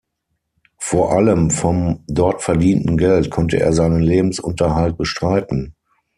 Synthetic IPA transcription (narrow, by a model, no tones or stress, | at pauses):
foːɐʔaləmfɔmdɔɐtfɛɐdiːntn̩ɡɛltkʰɔntə̰ʔḛːɐzaɪnənleːbm̩sʔʊ̰ntɐɦalt̚b̥əʃtʁ̥aɪtn̩